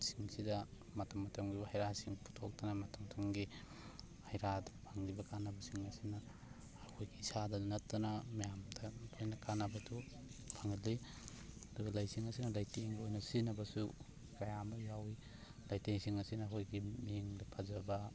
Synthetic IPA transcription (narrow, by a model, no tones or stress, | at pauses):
siŋsidɐ | mɐtʰɐmːɐtʰɐŋɡibɐhajɾasiŋpʰu̥tʰok̚tɐnɐmɐtʰɐmtʰaŋɡi | hajɾadɐpʰaŋlibɐkanɐbɐsiŋɐsinɐː | hojɡiisadɐnɐtːɐnɐmijamdɐlojnɐkanabɐtʰu | pʰaŋɐtli | ɐduɡɐlajsiŋɐsinɐlajteŋɡiojnɐsinɐbɐsu | kajamɐjawi | lajtejsiŋɐsinɐɦojɡimiŋdɐpʰazɐbɐ